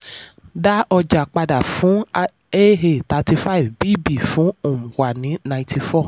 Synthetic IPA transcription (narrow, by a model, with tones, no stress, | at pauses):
da˦ɔ˧d͡ʒa˨k͡pa˧da˨fũ˨˦ | e˦ɦe˨ta˨˧ti˧fa˦i˨vbiː˦˨bi˦˨fũ˨˦o˨m̩̃˨wa˨nĩ˨˦nã˧ĩ˦ti˧fɔ˦˨